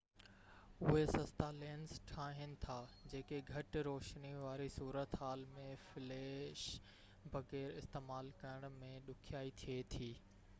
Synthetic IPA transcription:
ʊɦesɐst̪aleːnzʈʰaːɦɪnɪ̆t̪ʰaːd͡ʑeːkeɡʱɐʈɾoːʃniʋaːɾisuːɾət̪ɦaːlmẽfɪleːʃ | bʱɐɣɛːɾɪst̪eːmaːlkɐəɽ̃̆mẽɗʊkʰijaːit̪ʰiet̪ʰiː

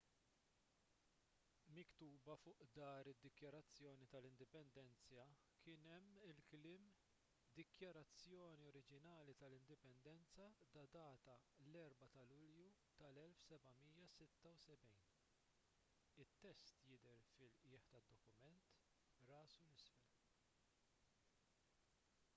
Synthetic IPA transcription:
mɪkt̪uːbɐfʊːʔd̪ɐːɾɪd̪ːɪkjɐɾɐt͡sːjɔːnit̪ɐlɪnd̪ɪpɛnd̪ɛnt͡sɐ | kʰɪːnɛmːɪlklɪːm | d̪ɪkjɐɾɐt͡sːjɔːniɔɾɪd͡ʒɪnɐːlit̪ɐlɪnd̪ɪpɛnd̪ɛnt͡sɐd̪ɐd̪ɐːt̪ɐlɛɾbɐt̪ɐlʊljut̪ɐlɛlfsɛbɐmiːjɐsɪt̪ːɐwsɛbɛjn | ɪt̪ːɛst̪jɪd̪ɛɾfɪlʔɪːħt̪ɐd̪ːɔkʊmɛnt̪ | ɾɐːsulɪsfɛl

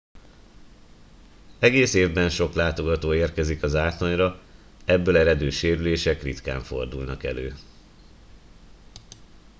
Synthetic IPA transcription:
ɛɡeːseːvbɛnʃo̞klaːt̪o̞ɡɒt̪oːeːrkɛzikɒzaːt̪loɲrɒ | ɛbːøːlɛɾɛd̪øːʃeːɾyleːʃɛkrit̪ka̰ːɱfo̞̰rd̪ulnɒkɛ̰lø̰ː

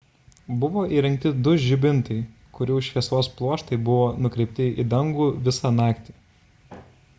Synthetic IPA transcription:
bʊʋoːʔiːɾʲɛ̃ŋk̚ʲt̪ʲɪd̪ʊʒʲɪbʲɪnt̪ɐɪ | kʊɾʲuʊʃʲʋʲiɛsʋoːsplˠuɔʃt̪ɐɪbʊʋoːnʊkɾʲɛɪpʲt̪ʲɪḭd̪ɐŋɡuːʋʲɪsɑnɑˑːkt̪ʲi̥ː

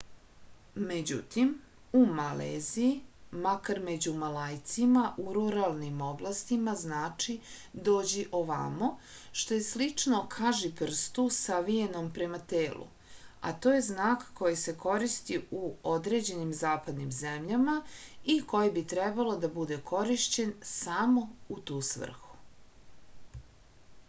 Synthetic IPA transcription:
me̞d͡ʑṵt̪im | umaleːzijimakaɾme̞d͡ʑumalajt̪simaʔuɾuɾalˠnimo̞blˠast̪imaznaːt͡ʂi | d̪o̞ːd͡ʑiʔo̞ʋa̰mo | ʃt̪o̞je̞slit͡ʂno̞kʰaʒipr̩st̪usaʋije̞nompɾe̞mat̪eːlʔṵ | a̰t̪o̞ːje̞znaːkːo̞jise̞ko̞ɾist̪iuo̞d̪ɾe̞ːd͡ʑe̞nimzaːpad̪nimzemʎamaiko̞jibit̪ɾebalod̪abud̪e̞kʰo̞ɾiʃt͡ɕe̞nsamo̞ut̪uːsʋ̰r̩xu̥

